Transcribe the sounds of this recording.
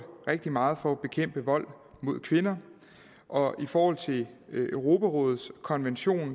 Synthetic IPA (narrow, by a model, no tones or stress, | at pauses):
ʁeɡ̥̚d̥imɑ̈ːð̞̩ˠfɒ̽æb̥e̝kʰem̰b̥əʋɒ̽l̰ | mo̝ð̞̰ˠkʰʋe̝nɐ | ʔɒ̽ifɒːhɒ̽l̰t͡sʰe̝ʔøʊʁo̝pʰæʁɔ̽ːð̞̩ˠskʰɒ̽nʋenɕo̝̰ːn